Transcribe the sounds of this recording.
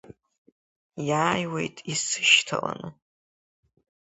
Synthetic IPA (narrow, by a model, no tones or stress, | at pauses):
jaːjwejtʼisɨ̥ʃtʰala̰nɨ